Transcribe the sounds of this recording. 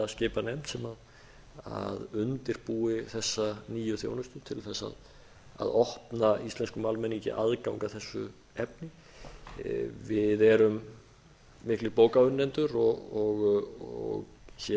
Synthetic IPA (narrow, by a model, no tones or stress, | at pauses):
ascɪːpanɛmt̪sɛmað | a̰ðʏnt̪ɪɾ̥puːɪθɛsːaniːjʏθjo̰ːwnʏst̪ʏt̪ʰɪlθɛsːa̰ð | a̰ðɔhpnaist̪lɛnskʏmalmɛnicɪ̰ʔaðkawŋkaθɛsːʏ̰ | ɛpnɪ | vɪðɛɾʏmː | ɪhklɪɾpoːwkaʏnːɛnt̪ʏɾɔɔɣɔ̰ɣçɛ